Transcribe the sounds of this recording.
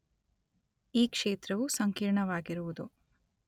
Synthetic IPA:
iːkʂeːt̪ɾɐʋusɐŋkiːɾɳɐʋaːɡiɾuʋud̪u

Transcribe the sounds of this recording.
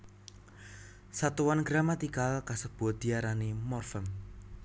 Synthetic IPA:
sat̪uwanɡ̥ɾamat̪ikalkasəb̥ɔ̤d̪̥i̤aɾanemɔrfəm

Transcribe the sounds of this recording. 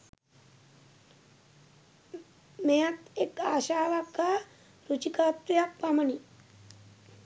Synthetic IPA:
mejɐt̪ekaːʃaːʋakːaː | ɾut͡ʃikaːt̪ɾijak̚pɐmɐni

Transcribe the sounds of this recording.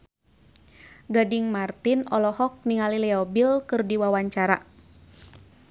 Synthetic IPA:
ɡadiŋmart̪inɔlɔhɔk̚niŋalilɛɔbilkɨrdiwawaɲt͡ʃaɾa̰

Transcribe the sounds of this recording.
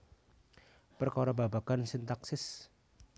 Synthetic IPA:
pərkɔɾɔbabaɡ̥ansint̪aksɪs

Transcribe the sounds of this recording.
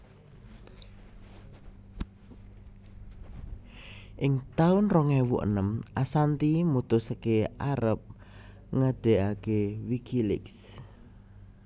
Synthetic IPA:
ʔɪŋt̪aʊnrɔŋɛwṵʔə̰nəmʔasant̪imut̪ʊsəkeʔaɾəp̚ | ŋaɖ̥e̤ʔakewikʰilɪ̰ks

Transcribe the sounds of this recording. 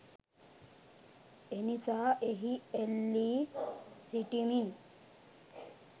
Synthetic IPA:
enisaʔeɦielːi | siʈimin

